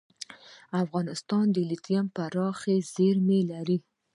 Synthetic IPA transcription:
afɣɑnɪst̪ɑnd̪əlit̪jampaɾɑxez̥eɾmelaɾi

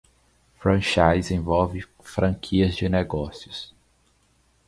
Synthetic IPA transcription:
fɾɐ̃ʃajzẽvɔwvɪ | fɾɐ̃kʰiɐzd͡ʒɪneɡɔsjʊs

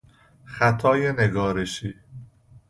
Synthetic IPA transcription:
xæt̪ʰɒːjeneɡɒːɾeʃiː

